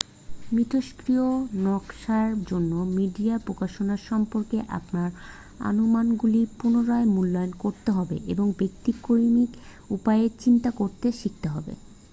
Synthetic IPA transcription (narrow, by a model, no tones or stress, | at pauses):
mɾit̪ʰoʃkɾionɔkʃaɾd͡ʑonːomiɖiapɾokaʃonaɾʃɔmpoɾkeʔa̰pnaɾ | a̰nomanɡulipunoɾaemulːɔonkoɾt̪eɦɔbḛʔeboŋbek̚t̪ikːoɾimik | upaet͡ɕint̪akoɾt̪eʃik̚t̪eɦɔbḛ